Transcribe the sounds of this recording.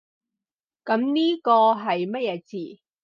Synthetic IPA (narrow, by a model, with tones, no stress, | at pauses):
kɐ˨˥mniː˥kɔː˧ɦɐ˨jmɐ˥t̚jɛː˨˧t͡siː˨˩